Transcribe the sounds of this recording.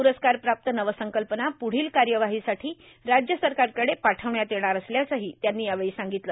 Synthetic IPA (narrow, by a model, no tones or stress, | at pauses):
puɾəskaɾpɾap̚t̪ənəʋəsəŋkəlpənapuɽ̤iːlkaɾjəʋaɦisaʈʰiː | ɾad͡ʑjəsəɾkaɾkəɽepaʈʰəʋɳjat̪jeɽ̃aɾəsljat͡saɦiːt̪janːiːjaʋeɭiːsaŋɡit̪lə